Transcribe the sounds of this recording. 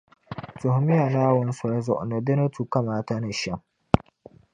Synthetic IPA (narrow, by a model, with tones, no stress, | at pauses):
tʊ˨hmɪ˦ja˨naː˦wʊ˦n˦sʊ˨ɾa˦zɔ̰˨ʔno˨dɪ˦nɐ˦tu˨ka˦maː˨ta˦na˨ʃɛ˦m